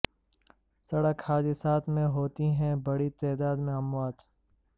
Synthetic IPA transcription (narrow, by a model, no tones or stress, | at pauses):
sɐɽəkhaːd̪ɪsaːt̪ʰmẽɦoːt̪iɦɛ̃bɐɽit̪ɛːd̪aːd̪mẽɐmwaːt̪